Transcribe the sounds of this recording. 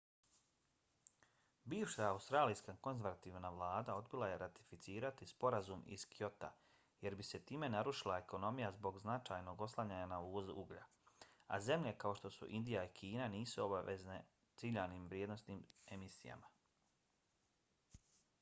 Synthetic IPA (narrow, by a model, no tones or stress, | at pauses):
biːʋʃaaust̪ɾaːlijskako̞nzeɾʋat̪iːʋnaʋlˠaːd̪ao̞d̪bilˠaje̞ɾʔat̪i̥fit̪siːɾat̪ispo̞ɾazumḭskijo̞t̪a̰ | je̞ɾbise̞t̪iːme̞naɾuʃilˠae̞ko̞no̞mijazbo̞ɡznat͡ʃajno̞ɡo̞slˠaɲaːɲanauːzuɡʎa̰ | a̰ze̞mʎe̞kao̞ʃt̪o̞sṵʔind̪ijaikʰiːnaniːsuo̞baʋḛzne | t̪siʎaniːmʋɾjed̪no̞sniːme̞misija̰ma